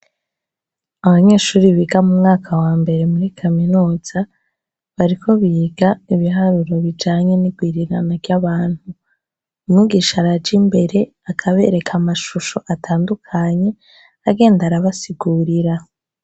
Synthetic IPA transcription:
aβaɲe̞ːʃuːɾiβiɡamumŋaːkʰawaːmbe̞ɾe̞muɾikʰaminuːz̥a | βaɾikʰo̞βiːɡaiβiɦaɾuɾo̞βid͡ʒaːɲe̞niɡwiːɾiɾanaɾɟaβaːn̥hu | nuɡiʃaɾaɟimbe̞ɾe̞ | akʰaβe̞ɾe̞kʰamaʃuʃo̞ʔatʰaːndukʰaɲe̞ | aɡe̞ːndaɾaβasiɡuːɾiɾa

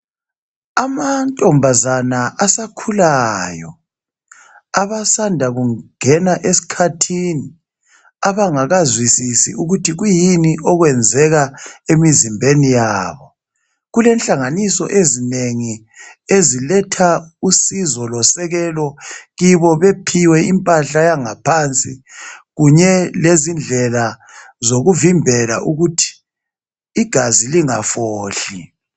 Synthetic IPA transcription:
amantʼɔmbʱazanaʔasakʰulajɔ̰ | aβasandʱaɣuŋɛnaʔesi̥kʰatʰini | aβaŋaɣazwisisḭʔuɣutʰiɣujiniʔɔɣwɛnd͡zʱɛɣaemizimbʱenijaːβɔ | ɣulɛnɬʼaŋanisɔ̰ʔezineŋi | ezilɛtʰausizɔlɔsɛɣɛlɔɣiβɔβepʰiwɛimpʼaɬajaŋapʰant͡sʼiɣuɲɛlezind͡ɮʱɛla | zoɣuvimbʱɛla̰ʔuɣutʰi̥ː | ɡ̥ʱaziliŋafoːɬi

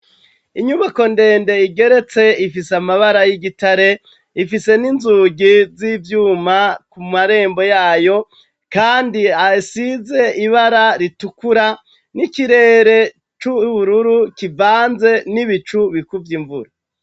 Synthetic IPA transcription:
iɲuβako̞nde̞ːnde̞iɡe̞ɾe̞t͡se̞ifisamaβaɾajiɡitaɾe̞ | ifise̞ninzuːɡizivjuːmakumaɾe̞ːmbo̞jaːjo̞ | kaːndiasize̞iβaɾaɾitukuɾa | nikiɾe̞ːɾe̞ | t͡ʃuβuɾuɾukivaːnze̞niβit͡ʃuβikuvjiɱvuɾa

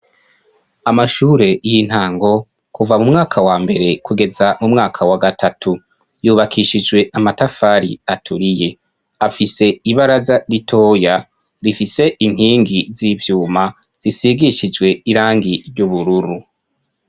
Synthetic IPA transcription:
amaʃuːɾe̞jin̥haːŋɡo̞ | kuvamumŋaːkʰawaːmbe̞ɾe̞kuɡe̞zamumŋaːkʰawaɡatʰatʰu | juːβakʰiʃid͡ʒɡwe̞ʔamatafaːɾḭatʰuɾije̞ | afise̞iβaɾazaɾitʰo̞ːja | ɾifise̞ʔin̥hiːŋɡizivjuːma | z̥isiɡiʃid͡ʒɡwe̞iɾaːŋɡiɾɟuβuɾuɾu

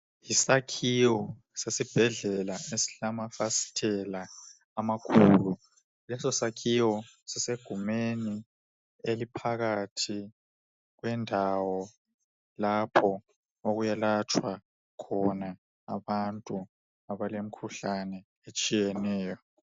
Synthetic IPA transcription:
jisakʰiwɔ | sesib̥ʱɛɮɛlaesi̥ɬamafasi̥tʰɛlaː | makʰuːlu | lɛsɔsakʰiwɔsiseɡ̥ʱumeni | elipʰaɣatʰi | ɣwɛndʱawɔ | lapʰɔ | oɣujalat͡ʃʰʼwa | kʰɔna | a̰βantʼu | aβalem̩kʰuɬanɛ | et͡ʃʼijɛnɛːjɔ

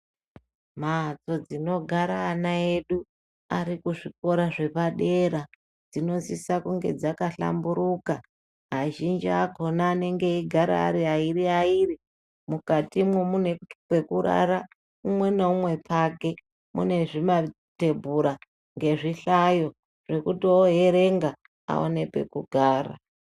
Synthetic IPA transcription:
mat͡so̞d͡zino̞ɡʱaɾaːnae̞ɗu | aɾikuʐiko̞ɾaʐe̞paɗe̞ɾa | d͡zino̞zisakuŋɡe̞̰d͡zakaɬa̰mbuɾuka | ɦaʒind͡ʒiako̞naːne̞ŋɡe̞iɡʱaɾa̰ːɾiaiɾiairi | mukatimwemunepe̞kuɾa̰ɾa | umwe̞neumwe̞pʰake̞ | mṵne̞ʐima | te̞bʱuɾa | ŋɡe̞ʐiɬajo̞ | ʐ̥e̞kutioɦe̞ɾe̞ŋɡa | a̰o̰ne̞pwe̞̰kuɡʱaːra̰

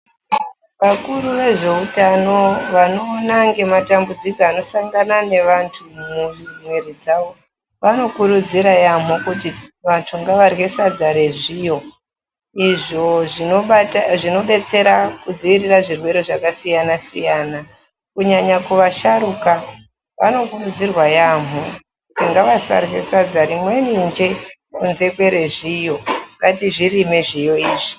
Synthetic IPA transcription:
ʋakuɾuʋe̞ʐe̞utano̞ʋano̞ːnaŋɡe̞matambud͡zikoano̞saŋɡanane̞ʋantʰumumweɾid͡zaʋo̞ | ʋano̞kuɾud͡ziɾajam̤okutiʋantʰuŋɡaʋarwe̞sad͡zaɾe̞ʐijo̞ | iʐo̞ʐioʐino̞ɓe̞t͡se̞ɾakud͡ziʋiriraʐirwe̞ɾeʐakasijanasḭjana | kuɲaɲakuʋaʃaɾuka | ʋa̰no̞kurud͡zirwajam̤u | kutiŋɡaʋasa̰rwe̞sad͡zaɾimwe̞nind͡ʒe̞ | kunze̞kwe̞ɾe̞ʐijo̞ŋɡatiʐirime̞ʐijo̞iːʐi

